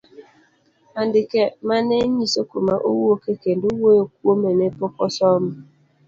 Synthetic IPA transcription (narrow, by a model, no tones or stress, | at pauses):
andɪkemaneɲisokomaʔo̰wuokeken̩duwookuomenepɔkɔsɔmʊ